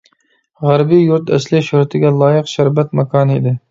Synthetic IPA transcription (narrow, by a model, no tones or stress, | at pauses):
ʁæɾbijuɾt̪ʰɛ̰slɪʃuɾɛt̪ʰɪɡʲɛlˠɑːjəqʃæɾbɛt̪̚mɛkʰɑːnɨḭd̪ɪ